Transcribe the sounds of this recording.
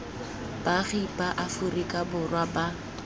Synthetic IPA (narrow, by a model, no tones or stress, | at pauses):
b̥aχipʼaʔafʊrikʼabʊrwaba